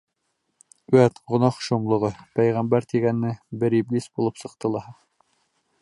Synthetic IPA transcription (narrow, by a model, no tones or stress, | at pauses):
ʉæt̪ʁŏnɑqʃŏmlˠɤ̆ʁɤpæjʁæmbæɾt̪iɡænːɘbɘɾiblʲisbulˠɤpsɤ̆q̚t̪ɤ̆lˠɑɦɤ